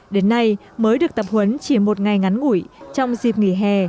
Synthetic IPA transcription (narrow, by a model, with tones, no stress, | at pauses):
ɗe˨˦nːa˧j | məː˨˦jɗɨ˨˩ək̚t̪ə˨˩p̚hwə˨˦nt͡ɕi˧˩mo˨˩t̚ŋa˨˩jŋa˨˦nŋṵ˧˩˨jt͡ɕɔ˧wŋ͡mzi˨˩p̚ŋḭ˧˩˨ɦɛ˧˩